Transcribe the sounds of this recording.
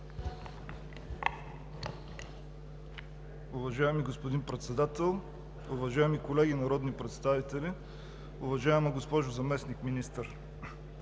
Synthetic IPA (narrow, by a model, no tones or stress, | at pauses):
ʊvɐʒaɛmiɡospod̪inpɾɛt̪sɛd̪at̪ɛlˠ | ʊvɐʒaɛmikolɛɡʲinɐɾɔd̪nipɾɛt̪st̪avit̪ɛli | ʊvɐʒaɛməɡospɔʒʊzɐmɛsnikminist̪əɾ